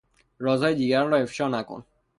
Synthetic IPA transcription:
ɾɒːzɒːjed̪iːɡæɾnɾɒːe̞fʃɒːnæko̰n

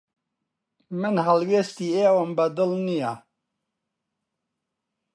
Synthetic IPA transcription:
mɨnɦɐlweːst̪iːeːwəmbɐd̪ɨlnija

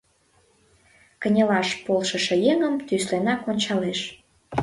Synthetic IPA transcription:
kə̆nʲəlɑʃpolʃə̆ʃĕjeŋəmt̪yslenɑkonʲt͡ɕɑleʃ

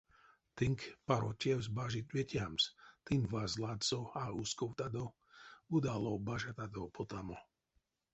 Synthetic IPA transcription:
t̪iŋkpaɾo̰tʲjɛwzbaʒit̪wɛt̪ʲjamst̪invazlad̪t͡soauskɔwt̪ad̪o | ud̪alobaʒat̪ad̪opot̪amo

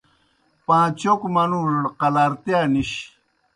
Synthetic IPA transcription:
pãːt͡ʃokmanulqalaɾt̪janiɕ

